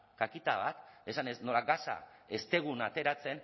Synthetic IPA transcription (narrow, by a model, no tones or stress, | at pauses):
kakit̪aβ̞at̪e̞sanezno̞laɡasa̰e̞st̪e̞ɣ̞unat̪e̞ɾat͡se̞n